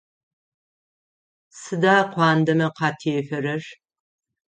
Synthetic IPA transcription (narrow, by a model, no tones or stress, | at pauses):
sɨdaːqʷɑːndɐmɐqɑːtʰeːfɐrɐr